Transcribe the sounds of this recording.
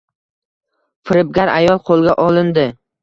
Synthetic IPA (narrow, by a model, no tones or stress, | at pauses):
fɪɾɪb̚ɡʲaɾa̰jɒlˠqʰolˠɡʲaʔɒlˠɪnd̪ɪ